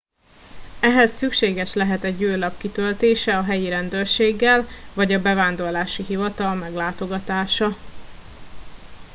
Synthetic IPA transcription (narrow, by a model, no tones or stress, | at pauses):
ɛɦɛsːykʃeːɡɛʃlɛɦɛt̪ɛɟjøːlɒpkit̪ølt̪eːʃɛɒɦɛjiɾɛnd̪øːrʃeːɡːɛlvɒɟɒbɛvaːnd̪o̞rlaːʃiɦivɒt̪ɒlmɛɡlaːt̪o̞ɡɒt̪aːʃɒ